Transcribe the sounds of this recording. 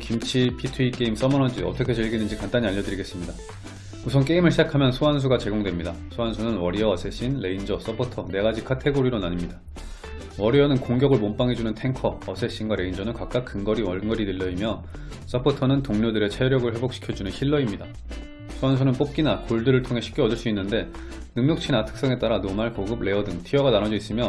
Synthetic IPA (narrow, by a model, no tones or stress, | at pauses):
kimt͡ɕʰipʰitʰuik͈eims͈ʌmʌnʌd͡ʑiʌ̰tʰʌkʰet͡ɕeɭɡinɯnd͡ʑikant͈aɲiaʎjːʌdɯɾiɡe̞s͈ɯmɲida | musʰʌnk͈e̞imɯɭɕʰid͡ʑakʰamjʌnsʰoans̬ʰuɡat͡ɕe̞ɡoŋdwemɲidasʰoansʰunɯnwʌɾiʌːsʰe̞ɕ͈inle̞ind͡ʑʌs͈ʌpʰotʰʌne̞ɡad͡ʑikʰatʰe̞ɡoɾiɾonaɲɯmɲida | wʌɾiʌnɯnkoŋɡʲjʌɡɯɭmomp͈aŋɦe̞d͡ʑunɯntʰe̞ŋkʰʌːsʰe̞ɕ͈inɡwaɾe̞ind͡ʑʌnɯnkak̚k͈ak̚k͈ɯŋɡʌɾiwʌɭŋɡʌɾidɯʎːʌimjʌ | s͈ʌpʰotʰʌnɯntoŋɲodɯɾe̞t͡ɕʰeɾjʌɡɯɭɸwe̞bokɕi̥kʰjʌd͡ʑunɯnçʰiɭːʌimɲida | sʰuansʰunɯnp͈op̚k͈inakoɭdɯɾɯɭtʰoŋɦe̞ɕʰi̥k͈eʌdɯɭs͈uinːɯnde̞ | nɯŋmɲjʌk̚t͡ɕʰinatʰɯ̥k̚s͈ʌŋe̞t͈aɾanomaɭkoɡɯb̚ɭe̞ʌdɯŋtʰiʌɡananʌd͡ʑʌis͈ɯmjʌ